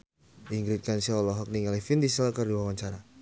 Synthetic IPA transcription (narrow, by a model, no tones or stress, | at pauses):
ʔiŋɡɾit̪̚kansiaɔlɔɦɔk̚niŋalifind̪isɛlkərdiwawaɲt͡ʃaɾa